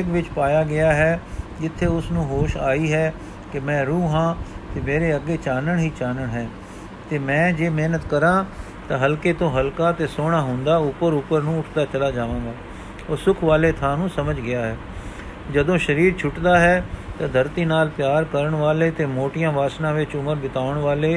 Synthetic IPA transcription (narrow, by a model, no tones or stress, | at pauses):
ɪkʋɪt͡ʃpaːjaːɡɪaːɦɛːd͡ʒɪt̪ʰːeːʊsnũːɦoːʃaːiːɦɛː | kɪmɛ̃ːɾuːɦãːt̪eːmeːɾeːəɡːeːt͡ʃaːnəɳɦiːt͡ʃaːnəɳɦɛː | t̪eːmɛ̃ːd͡ʒeːmeːnət̪kəɾãː | t̪ãːɦəlkeːt̪õːɦəlkaːt̪eːsoːɽ̃aːɦʊ̃nd̪aːʊpəɾʊpəɾnũːʊʈʰt̪aːt͡ʃəlaːd͡ʒaːʋãːɡaː | ɔːɾsʊkʰʋaːleːt̪ʰãːnũːsəməd͡ʒɡɪjaːɦɛː | d͡ʒəd̪õːʃəɾiːɾt͡ʃʰʊʈd̪aːɦɛːt̪ãːd̪ʱəɾt̪iːnaːlpjaːɾkəɾəɳʋaːleːt̪eːmoːʈɪjãːʋaːsnãːʋɪt͡ʃʊməɾbɪt̪aːəɳʋaːleː